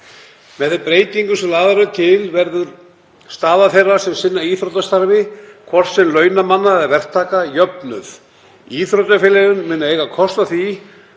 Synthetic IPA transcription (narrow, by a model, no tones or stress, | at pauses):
mɛθɛpɾeːjt̪iŋkʏsɛmlaːðaɾʏt̪ʰɪlvɛɾðʏɾ | st̪aːðaθejrːḁsɛmsɪnːaiθɾowt̪ast̪aɾvɪkʰvɔr̥t̪sɛmlœːɥnamanːaɛðvɛr̥t̪ʰaːkajœpnʏθ | iːθɾot̪afɪlɛɣʏnmɪːnaeːjɣakʰɔst̪aθi